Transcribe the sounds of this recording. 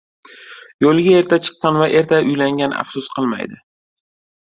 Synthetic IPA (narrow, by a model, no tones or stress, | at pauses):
jolˠɡʲae̞ɾt̪ʰat͡ʃʰɨ̥qːɑnvaʔe̞ɾt̪ʰaʊjlaŋʲana̰fsʊsqʰɨlˠma̰jd̪ɪ